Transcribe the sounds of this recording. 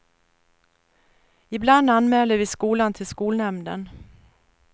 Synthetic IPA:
ɪbland̪anmɛːld̪əɾvɪskuːlant̪ʰɪlskuːlnɛmnd̪ə̰n

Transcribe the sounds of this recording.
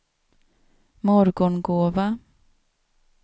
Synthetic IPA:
mɔɾɡɔɳɡoːva

